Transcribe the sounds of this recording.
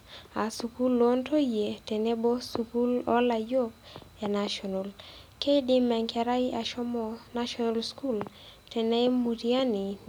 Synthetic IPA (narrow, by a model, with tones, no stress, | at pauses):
a˨su˨ku˦lo˦ntʰo˦je˨tɛ˨ne˦bo˦suku˦lɔ̰˦la˨jo˦a˨na˨ʃɔ˨no˨l | ke˦di˦mɛ˨ŋka˨ɾa˦i˦ʔa˨ʃɔ˦mɔ˨naʃɔnalsku˦l | tɛ˨nɛ˦jmu˨tia˦ni˨